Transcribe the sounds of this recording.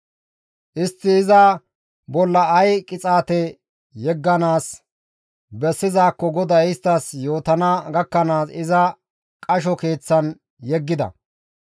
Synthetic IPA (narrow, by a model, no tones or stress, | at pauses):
ʔɪst̪ːɪːzɐ | bɔlːɐːjkʼɪt͡sʼaːt̪ɛ | jɛɡːɐnaːs | bɛsːɪzaːkːɔɡɔd̪ɐɪst̪ːɐsjo̞ːt̪ɐnaɡɐkːɐnaːsɪzɐ | kʼɐʃ̬ɔke̞ːt͡sːɐn | jɛɡːɪd̪ɐ̰